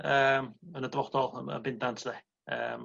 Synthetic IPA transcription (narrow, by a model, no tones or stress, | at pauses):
əːmənədvɔd̥ɔlˠəə̰bɪndantʰəðɛ | ə̰ːm